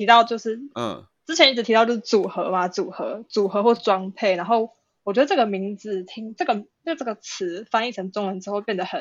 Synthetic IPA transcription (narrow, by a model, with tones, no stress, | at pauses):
tʰi˧t̪ɑ˥˧ʊt͡ɕjo˥˧ʊʂɻ̩˥˩ | t͡s̩˥t͡ɕʰjɛ˧˦ni˥˩ɻ̩ʰ˨˩i˧ɑ˥˧jo˥˧ʊʂ̩˥˩t͡su˨˩xɤ˧˦ma˧t͡su˨˩xɤ˧˦t͡su˨˩xɤ˧˥xwɔ˥˧ʂ̩˥˩ʈ͡ʂwɑ˥ŋpʰe˥˩ɪna˧˥nxo˥˩ʊ | wɔ˨˩t͡ɕɥɛ˧˥d̪ə˧ʈ͡ʂɤ˥˩ɡə˩mi˧˥ŋd͡zɹ̩˨˩t̪ʰi˦˥ŋʈ͡ʂɤ˥˩ɡə˩ | ə˥˩ʈ͡ʂə˥˩ɡə˩t͡s̩ʰ˧˥fa˥ni˥˩ʈ͡ʂʰə˧˥ŋt͡so˥ŋwə˧nʈ͡ʂɻ̩˥xo˥˧ʊpjɛ˥˨˩nd̪ə˩hə˨˩n